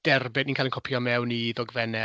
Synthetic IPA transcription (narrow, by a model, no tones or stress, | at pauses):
d̥ɛrbɪdninkʰalɪnkʰɔpʰjɔmɛwniðɔɡvɛnɛ